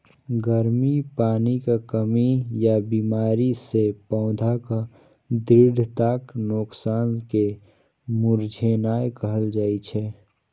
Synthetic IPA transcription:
ɡəɾmipaːnikakəmijabiːmaːɾisepɔ̃ːʊd̪ʱaka | d̪ɪɖʱt̪aːknoksaːnke | mʊɾd͡ʒʱenaːjkəɦəld͡ʒaːit͡ʃʰɛː

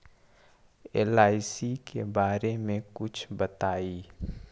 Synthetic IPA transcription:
ḛːlaːɪsikebaːɾemẽkʊt͡ʃʰbət̪aːiː

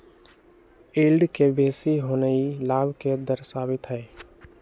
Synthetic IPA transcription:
eːlɖkebeːsiɦoːnəilaːbked̪əɾsaːbɪt̪ɦɛː

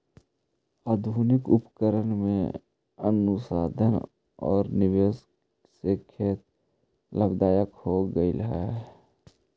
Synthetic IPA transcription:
aːd̪ʱunɪkʊpkəɾənmḛ̃ | ənʊsaːd̪ʱən | ɔːɾnɪʋeːs | sekʰeːt̪ | ləbd̪aːjəkhoɡəiləɦɛ

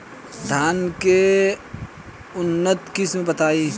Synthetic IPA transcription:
d̪ʱaːnke | ʊnːət̪kɪsmẽbɐt̪aːiː

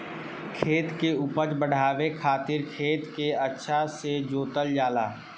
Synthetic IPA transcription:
kʰeːt̪keupəd͡ʒbəɽ̤ʱaːʋekʰaːt̪ɪɾkʰeːt̪keɐtːʃʰased͡ʒoːt̪əld͡ʒaːlaː

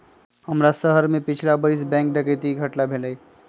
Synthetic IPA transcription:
həmɾasəɦəɾmẽpɪt͡ʃʰlabəɾis̬bɛ̃ːŋk̚ɖəkət̪iɡʱəʈlabʱeləi

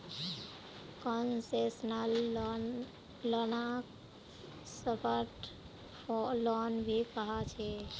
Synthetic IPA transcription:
kɔnsesnəl | lənak | səpʰəɾʈ | ɔlɔnbʱikəɦat͡ʃʰe

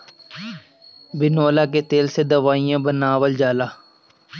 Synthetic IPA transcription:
bɪnoːlaːket̪eːlsed̪əʋaːijãːbənaːʋəld͡ʒaːlaː

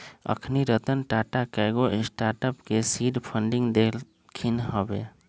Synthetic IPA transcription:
ə̰kʰniɾət̪ənʈaːʈakɛɡoʔɪsʈaːɾʈəpkesiːɖpʰə̃ɳɖɪ̃ŋɡd̪e | kʰinɦəbḛ

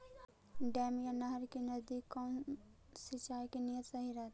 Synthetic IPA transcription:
ɖɛːmjanɐɦəɾkinɐd̪ikːɔːn | sɪt͡ʃaːjkinijət̪sɐɦiɾat̪

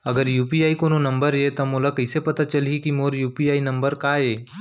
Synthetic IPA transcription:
ɐɡəɾjuːpiaːikoːnonɐ̃mbəɾɦet̪ɐmoːlakɐɪsepɐt̪at͡ʃɐliikimoːɾjuːpiaːinɐ̃mbəɾkaːeː

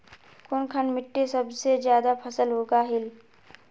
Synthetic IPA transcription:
kʊnkʰənmɪʈːesɐbsezjaːd̪apʰɐsəlɦoːɡaɦɪl

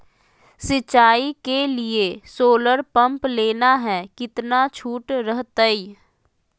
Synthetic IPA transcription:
sɪt͡ʃaːikeliesoːləɾpə̃mpleːnaɦɛkɪt̪nat͡ʃʰuːʈɾəɦt̪əi

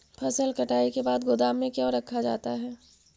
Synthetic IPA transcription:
pʰɐsəlkɐʈaːikebaːd̪ɡod̪aːmːẽkjaɾɐkʰːad͡ʒa̰ːt̪aɦɛː

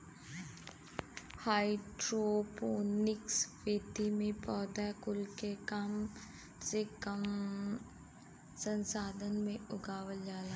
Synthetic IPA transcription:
haːɪɖɾopoːnɪksʋed̪ʱimẽpɔːd̪akʊlkekam | sekəm | sə̃nsaːd̪ʱənmẽʊɡaːwəld͡ʒaːla

